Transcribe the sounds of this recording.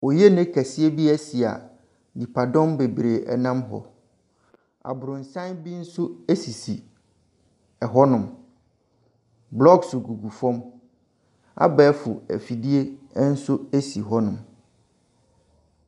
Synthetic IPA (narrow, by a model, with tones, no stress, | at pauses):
o˨je˦nɛ̃˦kʰæ˨sɪ˦e˦bi˦ɛ˦si˨a̰˨ | di˨pʰa˨dɔ̃˦mbe˨bɾe˨ʔɛ˨nã˦mɦɔ̰˨ | a̰˨bʊ˨ɾʊ̃˨n̩˨sã˦nbi˦n̩˦sʊ˦e˦si˨si˨ | ɛ˨ɦɔ˦nʊ̃˨m | blɔ˦ɡsʊ˨ɡu˨ɡu˨fɔ̃˦m | a̰˦bɛː˦fʊ̰˨ɛ̰˨fi˨di˦e˦n̩˦sʊ˦e˦si˨ɦɔ˦nʊ̃˨m